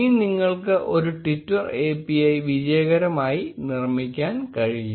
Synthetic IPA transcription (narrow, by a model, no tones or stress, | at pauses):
iːniŋːɐɭkɨʔoɾuʈitːɐreːpːiɐjʋid͡ʑɐjɐɣɐɾɐmaːjinirmikʲːaːnkɐɻiɲːu